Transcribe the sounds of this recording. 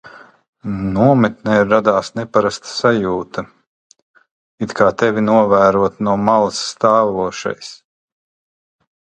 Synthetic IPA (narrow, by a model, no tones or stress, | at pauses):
nuɔmɛt̪nɛiɾːad̪aːsnepaɾast̪sajuːt̪ɐ | it̪kʰaːt̪ɛvʲinuɔvæːɾuɔt̪nuɔmalˠsːt̪aːvuɔʃa̰js